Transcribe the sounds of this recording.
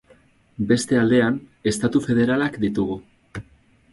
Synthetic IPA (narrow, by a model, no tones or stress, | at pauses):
be̞st̪e̞ald̪e̞ane̞st̪at̪ufe̞ð̞e̞ɾalakd̪it̪uɣ̞u